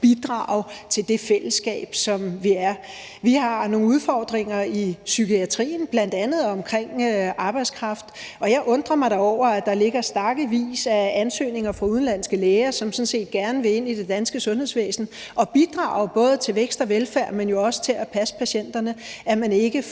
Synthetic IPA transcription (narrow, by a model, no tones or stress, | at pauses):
b̥id̥ʁɑ̰̈ʊt͡sʰe̝ld̥e̝fel̰əsɡ̥ɛ̰ːb̥sɒ̽mʋiæɐ | ʋihɑ̈no̝ːŋnuð̞ˠfɒːd̥ʁeŋɐisykʰiæt͡sʰʁḭːn̩b̥læn̰d̥ænð̞̩ˠɒ̽mkʰʁeŋ̰ɑ̈ːb̥ɑ̈ɪd̥skʰʁɑ̈fd̥ɒ̽jɑ̈ɪʔɔ̽nd̥ʁɐmɑ̈ɪɾ̥ɑ̈ɒʊ̰ɐæd̥ɑ̈le̝ɡ̥ɐsd̥æɐɡ̥əʋḭːsæænsø̰ːne̝ŋɐfʁɑ̈uð̞ˠn̩læn̰sɡ̥əleːɐsɒ̽msɒ̽n̩se̝̰ːd̥ɡ̥æɐnəʋe̝e̝n̰id̥e̝d̥ænsɡ̥əsɔ̽nhe̝̰sʋḛːsn̩ | ʔɒ̽b̥id̥ʁɑ̰̈ːʊb̥ɔ̽ːð̞̩ˠt͡sʰe̝lʋeɡ̥sd̥ɐʋelfæɐmenjo̝ɒ̽sə̥t͡sʰe̝læpʰæsə̥pʰæɕen̰d̥ɐnəæmæne̝ɡ̥ə